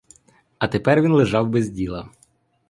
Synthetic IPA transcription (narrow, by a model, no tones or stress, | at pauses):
ɐt̪epɛrʋʲinlˠeʒɑwbezʲdʲilˠɐ